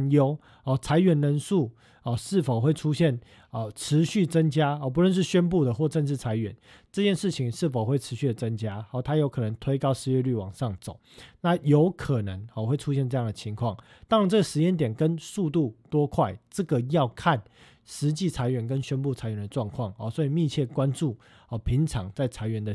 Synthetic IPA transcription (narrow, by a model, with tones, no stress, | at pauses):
jo˦˥ʊ | ɔ˨˩t͡sʰa˧˥ɪɥɛ˧˦nlə˧˥nsu˥˩ | ɔ˨˩ʂɻ̩˥˩fo˨˩ʊxwe˥˩ɪʈ͡ʂʰu˦˥ɕjɛ˥˩n | ə˨˩ʈ͡ʂʰɻ̩˧˦ɕy˥˩t͡sə˦ŋt͡ɕja˥ɔ˨˩p̬u˧˥ɻə˥˧nʂ̬ɻ̩˥˩ɕɥɛ˦npu˥˨˩d̪ə˩xwɔ˥˧ʈ͡ʂə˥˧nʂɻ̩˥˩t͡sʰa˧˥ɪɥɛ̰˧˦n | ʈ͡ʂɤ˥˧t͡ɕjɛ˥˨nʂɻ̩˥˩t͡ɕʰi˨˦ŋʂɻ̩˥˩fo˨˩ʊxwe˥˩ɪʈ͡ʂʰɻ̩˧˥ɕy˥˩d̪ə˩t͡sə˦˥ŋt͡ɕja˥hɔ˨˩t̪ʰa˦˥jo˧˥kʰɤ˨˩nə˧˦ŋt̪ʰwe˥ɪkɑ˥ʊʂɻ̩˧˥ɥɛ˥˧ly˥˩wɑ̰˨˩ŋʂɑ˥˩ŋt͡so̰˨˩˦ʊna˥˨jo˧˦ʊkʰə˨˩nə˧˦ŋɔ˨˩xwe˥˩ɪʈ͡ʂʰu˦˥ɕjɛ˥˧nʈ͡ʂɤ˥˧jɑ˥˨ŋd̪ə˨t͡ɕʰi˧˦ŋkʰwɑ˥˩ŋ | t̪ɑ˥ŋ˨nt͡sɤ˥˩ɡə˩ʂɻ̩˧˦jɛ˥˩nt̪̬jɛ˨˩nkə˦nsu˥˧t̪u˥˩t̪wɔ˥kʰwa˥˩ɪʈ͡ʂə˥˩ɡə˩jɑ˥˧ʊkʰa˥˨˩n | ʂɻ̩˧˦t͡ɕi˥˩t͡sʰa˧˥ɪɥɛ˧˦nk̬ə˦nɕɥɛ˥npu˥˨t͡sʰa˧˥ɪɥɛ˧˦nd̪ə˨˩ʈ͡ʂwɑ˥˧ŋkʰwɑ˥˩ŋɔ˨˩swɔ˧˥i˨˩mi˥˧t͡ɕʰjɛ˥˩kwa˦˥nʈ͡ʂu˥˩ | ə˨˩pʰi˧˦ŋʈ͡ʂʰɑ̰˨˥ŋt͡sa˥˩ɪt͡sʰa˧˥ɪɥɛ˧˦nd̪ə˨